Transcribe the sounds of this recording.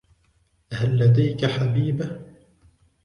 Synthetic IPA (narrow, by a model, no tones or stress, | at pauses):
halːad̪ajkaħabiːba